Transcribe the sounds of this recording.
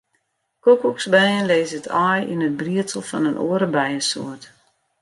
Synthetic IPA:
kokuksbɛjənleːzətʰɔjḭnət̚briətəl̩ˠfɔ̰nənʔo̰əɾəbɛjəso̰ət

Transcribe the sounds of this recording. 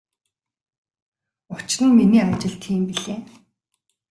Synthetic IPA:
ʊt͡ɕrɘ̆nminiːat͡ɕɪ̆ɮt̪ʰiːmpiɮeː

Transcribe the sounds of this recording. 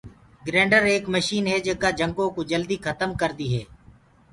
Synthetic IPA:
ɡɾɛ̃ːɳɖəɾeːkməʃiːnɦɛːd͡ʒəkaːd͡ʒəŋɡõːkoːd͡ʒəld̪iːkʰət̪əmkəɾd̪iːɦɛː

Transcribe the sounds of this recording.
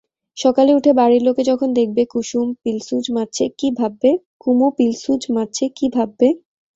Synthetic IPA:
ʃɔkaleuʈʰebaɾiɾloked͡ʑɔkʰond̪ek̚ʰbekuʃumpilsud͡ʑʱmat̚ːɕʰekibʱabːe | kumupilsud͡ʑmatːɕʰekibʱabːe

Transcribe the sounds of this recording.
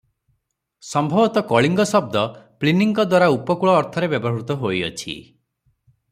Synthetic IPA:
sɔmbʱɔbɔt̪ɔkɔɭiŋɡɔsɔb̚d̪ɔpliniŋkɔd̪waɾaupɔkuɭɔːɾt̪ʰɔɾebjɔbɔɦut̪ɔɦojɔ̰t͡ʃʰḭ

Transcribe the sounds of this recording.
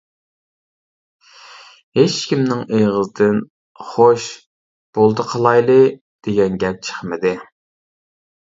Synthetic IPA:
het͡ʃkʲimnɪŋejʁəzɨd̪ɪn | χoʃ | b̥olˠd̪ɨqʰəlˠɑjlˠɨ | d̪̥eɡʲɛnɡʲɛp̚t͡ʃʰə̥χmɪd̪ɪ

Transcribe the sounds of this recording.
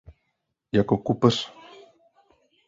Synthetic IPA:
jakokupəs

